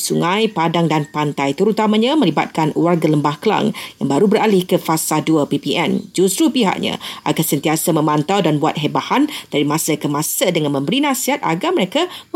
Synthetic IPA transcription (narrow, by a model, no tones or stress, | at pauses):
suŋãjpadaŋdanpant̪ajt̪əɾut̪amãɲãmə̃liba̰t̪̚kanwarɡaləmbahkəla̰ŋjaŋbaɾubəɾalɪhkəfasaduəpipiʔɛ̰nd͡ʒust̪ɾupiɦa̰ʔɲa̰a̰ɡansənt̪iasamə̃mãnt̪awdanbua̰t̪̚ɦebahand̥aɾimãsəkəmãsədəŋanmə̃mbəɾinãsiɦat̪a̰ɡaməɾeka